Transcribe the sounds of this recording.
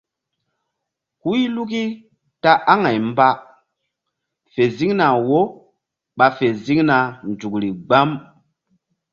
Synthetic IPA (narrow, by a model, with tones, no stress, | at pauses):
hu˦i˦lu˦k̬i˦ | ta˦ʔa˦ŋa˨jmba˦ | fe˨zi˦ŋna˨wo˦ | ɓa˨fe˨zi˦ŋna˨nd͡ʒu˨kɾi˨ɡ͡ba˦m